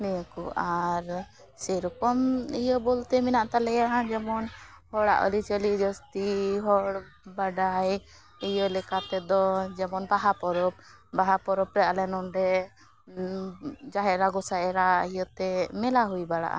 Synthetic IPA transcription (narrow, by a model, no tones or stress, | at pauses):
nɛjɔkɔaɾ | sɛɾɔkɔmijɔbɔlt̪ɛminaʔt̪alɛjaɦãd͡ʒɛmɔn | hɔɽa̰ʔɔ̰lit͡ʃəlid͡ʒɔst̪iɦɔɽ | baɖaj | ijɔlɛkat̪ɛd̪ɔd͡ʒɛmɔnbaɦapɔɾɔb̚ | baɦapɔɾɔpɾɛalɛnɔɳɖɛ | d͡ʒaɦɛɾaɡɔsaɛɾaɦijɔt̪ɛmɛlaɦujbaɽa̰ʔa̰